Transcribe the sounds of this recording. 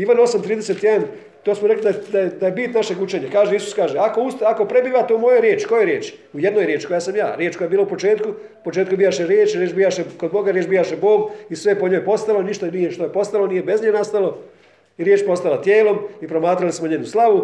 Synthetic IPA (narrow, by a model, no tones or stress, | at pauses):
iʋano̞samt̪ɾiːd̪eset̪jed̪an | t̪osmoɾe̞klid̪ad̪aed̪ajebiːt̪naʃe̞ɡut͡ʃeːɲakaːʒeisu̥skaːʒeakoust̪ako̞pɾe̞biːʋat̪eumo̞joɾjeːt͡ʃko̞jeɾjeːt͡ʃujed̪nojɾjeːt͡ʃko̞jasamja̰ːɾjeːt͡ʃkoaebiːlaupo̞t͡ʃe̞ːt̪ku | upo̞t͡ʃe̞ːt̪kubijaʃeɾjeːt͡ʃiɾjeːt͡ʃbijaʃekod̪mo̞ɡaɾjeːt͡ʃbijaʃebo̞ːɡisʋe̞po̞ɲo̞jpo̞st̪alˠo̞niʃt̪anijeʃt̪ojepo̞st̪alo̞nije̞be̞zɲenast̪alo̞ | iɾjeːt͡ʃpo̞st̪alat̪jeːlo̞mipɾo̞maːt̪ɾalismoɲeːnuslˠaʋu